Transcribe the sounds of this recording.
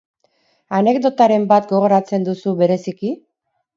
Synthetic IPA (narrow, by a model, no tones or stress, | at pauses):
ane̞kd̪o̞t̪aɾe̞mbat̪ɡo̞ɣ̞o̞ɾat͡se̞nd̪usuβe̞ɾe̞siki